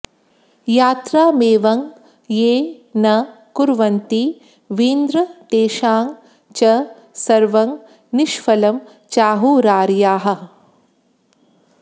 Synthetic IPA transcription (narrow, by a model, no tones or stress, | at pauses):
jaːt̪ɾaːmeːʋɐŋ | jeːnɐ | kuɾʋɐnt̪i | ʋiːnd̪ɾɐt̪eːʃaːŋ | t͡ʃɐ | sɐɾʋɐŋ | niʃfɐlɐm | t͡ʃaːɦuːɾaːɾjaːɦɐ̆